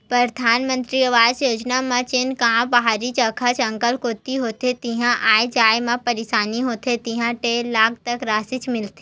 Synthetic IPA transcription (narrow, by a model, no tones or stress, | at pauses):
pɾɐɾd̪ʱaːnmə̃nt̪ɾiɐʋaːd͡ʒjoːd͡ʒnamãt͡ʃɪnkãːbɐɦaːɾit͡ʃɐkʰat͡ʃɐ̃ŋkəlkoːt̪iɦoːt̪et̪iɦãʔaːed͡ʒaːemãpɐɾeʃaːniɦoːt̪ʰet̪iɦãʈeːlːaːk̚t̪ɐkɾaːsɪt͡ʃmɪlt̪e̥